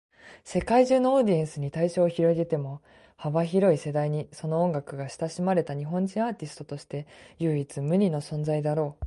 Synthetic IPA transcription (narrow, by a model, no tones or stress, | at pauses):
se̞kaiʑɨːno̞oːd̪ʲiẽ̞ɰ̃sɨɲ̟it̪aiɕo̞ːçiɾo̞iɡ̪e̞t̪e̞mo̞ | habaçiɾo̞ise̞d̪aiɲ̟iso̞no̞ːõŋɡakɯ̟ɡaɕi̥t̪aɕimaɾe̞t̪aɲ̟iɦõ̞ɲ̟d͡ʑĩɰ̃aːt̪ʲisɨ̥t̪o̞t̪o̞ɕi̥t̪e̞jɯːit͡sɨmɯ̟ɾʲino̞sõ̞nd͡zaid̪aɾo̞ː